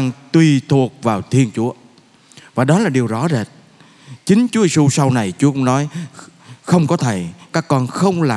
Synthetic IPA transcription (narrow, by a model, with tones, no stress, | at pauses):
ŋt̪wi˧˩t̪ʰu˨˩ək̚vaː˨˩wt̪ʰi˧ənt͡ɕu˨˦ə | vaː˨˩ɗɔ˨˦laː˨˩ɗi˨˩əwzɔ˨˦zeː˨˩t̚ | t͡ɕï˨˦ŋ̟t͡ɕu˨˦˨su˧sa˧wna˨˩jt͡ɕu˨˦kʊ̰˨˦ŋ͡mnɔ˨˦j | xə˧wŋ͡mkɔ˨˦t̪ʰe˧˩kaː˦˥kːɔ˧nxə˧wŋ͡mlaː˨˩